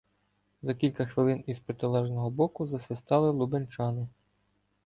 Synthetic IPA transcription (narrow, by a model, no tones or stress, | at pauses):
zɐkʲilʲkɐxʋɪlˠɪnizpɾet̪ɪlˠɛʒnɔɦɔbɔkʊzɐsɪst̪ɑlˠɪlˠubenʲt͡ʃɑnɪ